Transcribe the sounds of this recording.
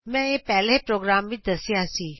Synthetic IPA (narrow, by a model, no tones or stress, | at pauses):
mɛ̃ːepɛɦlepɾoːɡɾaːmʋɪd̪ɐsijasiː